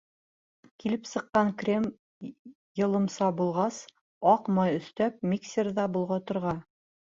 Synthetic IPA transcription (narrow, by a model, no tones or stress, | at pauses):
kilɘpsɤ̆qːɑŋkrʲem | jɤ̆lˠɤ̆msɑbulˠʁɑs | ɑqmɑjɵ̆st̪æp̚mʲiksʲerðɑbulˠʁɑt̪ŏɾʁɑ